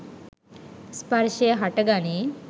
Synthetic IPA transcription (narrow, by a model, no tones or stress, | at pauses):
spɐɾʃeːɦɐʈɐɡaːni